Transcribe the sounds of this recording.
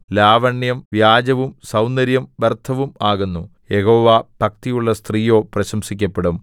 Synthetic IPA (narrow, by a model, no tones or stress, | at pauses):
laːʋɐɳjɐmʋjaːd͡ʑɐʋumsɐwnd̪ɐɾjɐmʋert̪ʰɐʋumaːɣunːujehoːʋaːb̥ʱɐk̚t̪ijuɭːɐst̪riːjo̞ːprɐɕɐmsikʲːɐpːeɽum